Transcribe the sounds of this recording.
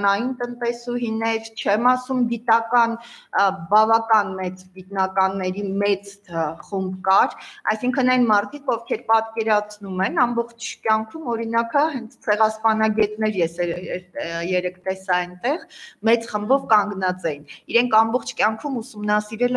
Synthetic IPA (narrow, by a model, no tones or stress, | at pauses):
nɑjint̪ənt̪ɛsuɦinɛɾt͡ʃʰɛmɑsumɡit̪ɑkɑn | bɑvɑkɑnmɛt͡sɡit̪nɑkɑnːɛɾimɛt͡sχumbkɑɾɑ̰jsiŋkʰənɑjnmɑɾt̪ʰikʰɔvkʰɛɾpɑt̪kɛɾɑt͡sʰnumɛnɑmbɔχt͡ʃʰkʲjɑŋkʰumɔɾinɑkəɦɛnt͡sʰt͡sʰɛʁɑspɑnɑɡɛt̪nɛɾjɛsɛɛjɛɾɛkʰt̪ɛsɑɛjnt̪ɛʁmɛt͡sχəmbɔvkɑŋɡnɑt͡sɛjiniɾɛŋkʰɑmbɔχt͡ʃʰkʲjɑŋkʰumusumnɑsiɾɛlɛ